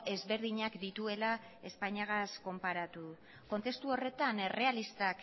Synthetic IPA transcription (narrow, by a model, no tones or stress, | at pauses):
e̞zβe̞ɾð̞iɲakd̪it̪ue̞la | e̞spajɲaɣ̞asko̞mpaɾat̪u | ko̞nt̪e̞st̪uo̞re̞t̪anere̞alist̪ak